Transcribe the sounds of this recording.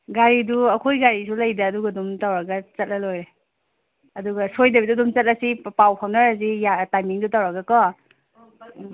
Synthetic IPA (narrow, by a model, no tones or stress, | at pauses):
ɡaɾiduɐkʰojɡaɾisulajdɐːduɡadumtawɾaɡɐt͡ʃɐt̚lalojɾe | ɐduɡɐsojdɐbidudumt͡ʃɐt̚lɐsipawpʰawnaɾazijatajmiŋdutawɾaɡɐkɔ